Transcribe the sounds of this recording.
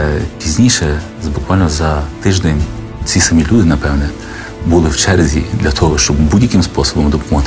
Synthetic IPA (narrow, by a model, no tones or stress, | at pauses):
pʲizʲnʲijʃɛ | bʊkʋɑlʲnɔzɐt̪ɪʒd̪ɛnʲ | t͡sʲisɐmʲilʲud̪ɪnɐpɛwnɛ | bulˠɪwt͡ʃɛɾzʲḭd̪lʲɐt̪ʰɔɦɔʃt͡ʃɔbbudʲjɐkɪmspɔsɔbɔmd̪ɔpɔmɔt̪